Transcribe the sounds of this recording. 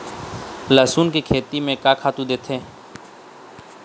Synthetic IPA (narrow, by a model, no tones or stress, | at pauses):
laːsuːnkikʰeːt̪imẽkaːkʰaːt̪ũd̪eːt̪ʰẽː